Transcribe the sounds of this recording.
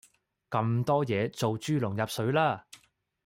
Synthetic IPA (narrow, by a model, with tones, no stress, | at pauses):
kɐ˧mt̪ɔː˥jɛː˨˧t͡so˨wt͡ʃyː˥lʊ˨˩ŋjɐ˨p̚sɵ˨˧˥ɥlaː˥